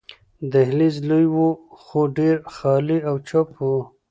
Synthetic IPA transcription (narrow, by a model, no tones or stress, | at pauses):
d̪əɦlizlujwuxoɖeɾxɑliawt͡ʃopʰu